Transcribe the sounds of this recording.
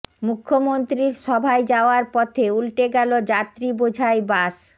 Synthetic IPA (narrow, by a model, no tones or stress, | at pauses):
mukʰːomont̪ɾiɾʃɔbʱaed͡ʑaoaɾpɔt̪ʰeulʈeɡɛlod͡ʑat̪ːɾibod͡ʑʱaebaʃ